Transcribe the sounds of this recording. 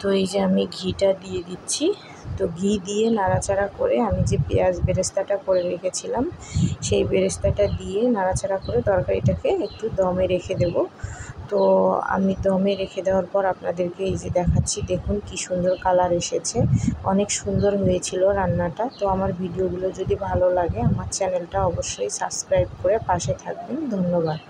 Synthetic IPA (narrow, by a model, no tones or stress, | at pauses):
t̪oejd͡ʑeamiɡʱiʈad̪ied̪itːɕʰi | t̪oɡʱid̪ijenaɾat͡ɕaɾako̰ɾeamid͡ʑepead͡ʑbeɾost̪ʰaʈakoɾeɾekʰet͡ɕʰilamʃejbeɾost̪ʰaʈad̪ijenaɾat͡ɕaɾakoɾed̪ɔɾkaɾiʈakeek̚ʈud̪ɔmeɾekʰed̪ebot̪oa̰mid̪ɔmeɾekʰed̪eoaɾpɔɾapnad̪eɾkeejd͡ʑed̪ɛkʰaːɕʰid̪ekʰunkiʃund̪oɾkalaɾeʃet͡ɕʰeɔnekʃund̪oɾɦojet͡ɕʰiloɾanːaʈat̪oamaɾbʱiɖioɡulod͡ʑod̪ibʱalolaɡeamaɾt͡ɕɛnelʈaɔboʃːojsabskɾajbkoɾepaʃet̪ʰak̚bend̪ʱonːobad̪